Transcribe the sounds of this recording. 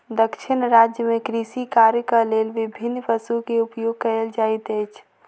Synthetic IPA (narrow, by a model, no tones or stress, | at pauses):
d̪əkʃɪnɾaːd͡ʒjəmẽkɾisikaːɾjəkəleːlʋɪbʱɪnːpəsukeʊpjoːɡ̚kɐeld͡ʒaːit̪eːt͡ʃʰ